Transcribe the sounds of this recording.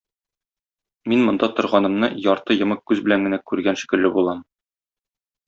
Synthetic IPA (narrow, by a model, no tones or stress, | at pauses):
minmŏnd̪ɑt̪ŏɾʁɑnɤ̆mnɤjɒɾt̪ɤjɤ̆mɤq̚kːʉzbɘ̆læŋɡɘ̆nækʉɾɡænʃi̥kɘ̆lːɘbulˠɑm